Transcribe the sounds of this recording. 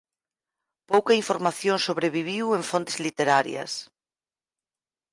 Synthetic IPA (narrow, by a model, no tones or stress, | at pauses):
powkɐiɱfoɾmaθjõŋsoβɾeβiβ̞iweɱfont̪e̥zlit̪eɾaɾj̰ɐ̰s